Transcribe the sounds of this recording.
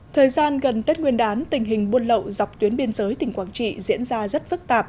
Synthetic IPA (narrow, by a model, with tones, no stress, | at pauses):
t̪ʰəː˨˩jzaː˧nɣə˨˩nt̪e˦˥t̚ŋwi˧ənɗaː˨˦nt̪ï˨˩ŋ̟ɦï˨˩ŋ̟ɓu˧ənlə̰˧˨wza˨˩wk͡p̚t̪wi˨˦ənɓi˧ənzəː˨˦jt̪ï˨˩ŋ̟kwaː˧˩nt͡ɕḭ˧˨zḭ˧˥ənzaː˧zə˦˥t̚fɨ˦˥k̚t̪aː˨˩p̚